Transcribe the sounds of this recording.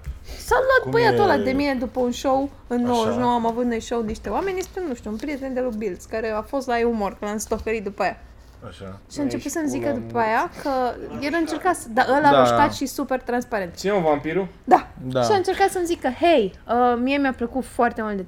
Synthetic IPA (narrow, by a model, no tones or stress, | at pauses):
samlwat̪̚pəjat̪olad̪e̞mine̞d̪upəunʃo̞w | ɨnːowoʒnowamavut̪nojʃowniʃt̪eoame̞njest̪enuʃt̪ʲuːnpɾijet̪e̞nd̪elobild̪skaɾe̞afo̞st̪laeumorkɨnamst̪okeɾit̪̚d̪upəaja | aʃaʃiaɨnt͡ʃe̞put̪səmzikəd̪upəajakʰəjeɾaɨnt͡ʃe̞rkat̪sd̪aʔəlaəʃk̪at̪ʃisupe̞rt̪ɾanspaɾe̞nt̪t͡ʃineunvampiɾu | d̪aʃiaɨnt͡ʃe̞ɾkat̪səmzikːəhejəmiemjapləkut̪foart̪e̞mult̪d̪e